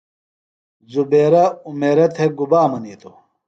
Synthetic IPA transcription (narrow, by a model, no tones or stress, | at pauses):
zubeːɾɐumeːɾɐt̪ʰeɡubaːmɐniːt̪ʰo